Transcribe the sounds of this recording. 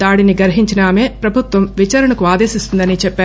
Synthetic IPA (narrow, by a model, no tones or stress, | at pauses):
d̪aːɽiniɡɐɾɦiɲt͡ʃinaːme̞ːpɾɐbʱut̪ʋɐmʋit͡ʃaːɾɐɳɐkuaːd̪e̞ːsist̪und̪ɐnit͡ʃɛpːaːɾu